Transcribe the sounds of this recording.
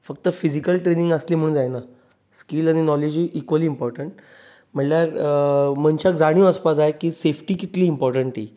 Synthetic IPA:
fək̚t̪əfid͡zikəlʈɾenĩŋɡəsliːm̤əɳd͡zajna | skilañinɔled͡ʑiːʔikʋəliːmpɔɾʈəɳʈ | m̤əɳljaɾm̤əɳt͡ɕjakd͡zaɽ̃jũəspad͡zaekiːsefʈiːkit̪liːmpɔɾʈəɳʈḭː

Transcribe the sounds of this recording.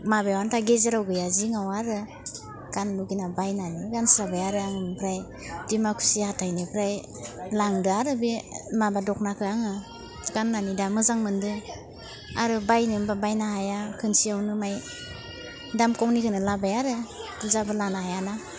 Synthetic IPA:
mabajwantʰaɡezeɾawɡɯjaziŋawaɾɯ | ɡ̥anluɡinabajnaniɡansɾabajaɾɯaŋɯmpʰɾaj | d̥imakʰu̥sihatʰajnipʰɾaj | laŋdɯaɾɯbimabadɔk̚nakʰɯaŋɯ | ɡ̥anːanidamɯzaŋmɯndɯ | aɾɯbajnimbabajnahajakʰɯnsiawnɯmaj | damkɔwnikʰɯnɯlabajaɾɯduzabɯlanahajana

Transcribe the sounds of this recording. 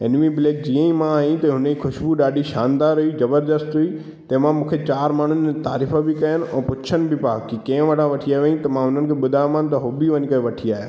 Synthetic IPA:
ɪnmibɪleːkd͡ʑiːə̃ĩmãaːĩt̪ɐɦʊnixʊʃbuɗaːɗiʃaːnd̪aːɾɦʊid͡ʑɐbəɾd̪əst̪ɦʊi | t̪ɐɦmãmũːkʰet͡ɕaːɾmaːɳ̤ʊnɪet̪aːɾiːfəbɪkɐjənɪ̆ɛ̃ːpʊt͡ɕʰənɪ̆bɪpaːkikɐ̃ɦʋɐɽ̤ãʋɐʈʰiaːʋẽːĩt̪ɐmãɦʊn̤ənɪkʰeɓʊd̪ʱaːmãnɪ̆t̪ɐɦʊbiʋɐɲikɐʋɐʈʰiaːɦjaː

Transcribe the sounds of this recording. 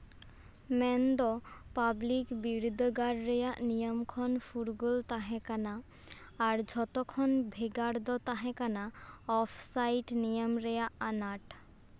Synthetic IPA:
mɛnd̪ɔpablikbiɾd̪ʱɡaɽɾɛjaʔnijɔmkʰɔnfʰuɾɡolt̪aɦɛ̃kanaː | ɾd͡ʒʱɔt̪ɔkʰɔnbʱeɡaɽd̪ɔt̪aɦɛ̃kanaɔpʰsajʈnijɔmɾɛjaʔanaʈ

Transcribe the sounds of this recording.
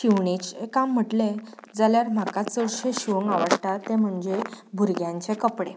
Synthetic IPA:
ɕiʋɳet͡ɕekam̤ːəʈled͡zaljaɾm̤akat͡səɽɕəɕiʋəŋɡaʋəɽʈ̪at̪ːẽm̤əɳd͡zebʱuɾɡjãɲt͡sekəpɽe

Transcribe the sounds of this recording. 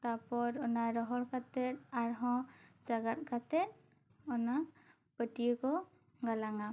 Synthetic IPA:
t̪apɔɾɔnaɾɔɦɔɽkat̪ɛɾaɾɦɔ̃d͡ʒaɡat̪̚kʰat̪ɛt | ɔna | pəʈijəkɔ | ɡalaŋa

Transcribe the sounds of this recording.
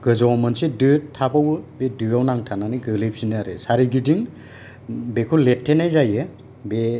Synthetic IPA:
ɡɯzawmɯnsidɯtʰapawɯbedɯawnaŋtʰananiɡɯlip̚sinɯaɾɯsaɾiɡidiŋ | bekʰuletʰːenajzajɯ | be

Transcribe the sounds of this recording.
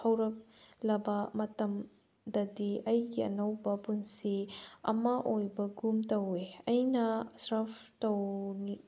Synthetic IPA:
ɐwɾɐk̚lɐbɐmɐtɐm | dɐdiɐjɡiɐ̰nɐwbɐpunsiɐ̰maʔojbɐɡumtɐweɐjnɐsɾɐpʰtowni

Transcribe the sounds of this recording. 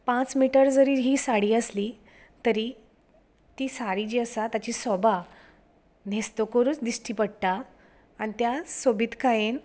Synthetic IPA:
pãt͡smiʈəɾd͡zəɾiːɦiːsaɽiːəsliː | t̪əɾi | t̪iːsaɽiːd͡ʑiəsat̪jat͡ɕiːsɔbʱa | n̤est̪okəɾuːt͡sd̪isʈiːpəɽt̪aː | ɽ̃it̪jasobit̪kajen

